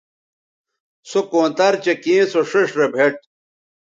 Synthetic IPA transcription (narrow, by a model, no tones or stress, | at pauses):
sokõːnt̪ɐɾt͡ɕekĩːsoʂiʂɾebʱeʈ̚